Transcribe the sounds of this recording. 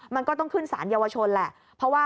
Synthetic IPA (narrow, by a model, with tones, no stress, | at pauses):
ma˧nkɔː˥˩t̪ɔ˥˩ŋkʰɯ˥˩nsa̰ː˩˦njaː˧wa˧t͡ɕʰo˧nlɛ˨˩ʔ | pʰɾɔ˦˥waː˥˩